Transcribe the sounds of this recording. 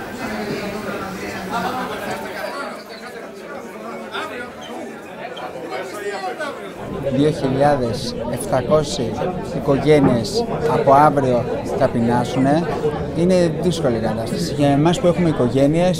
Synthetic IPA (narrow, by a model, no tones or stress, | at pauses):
ðio̞çiʎɐðe̞se̞ft̪ɐko̞siiko̞ʝe̞nie̞sɐpo̞ɐvɾio̞θɐpinɐsune̞ | ine̞ðisko̞likɐt̪ɐst̪ɐ̥siʝɐemɐspue̞xume̞iko̞ʝe̞nie̞s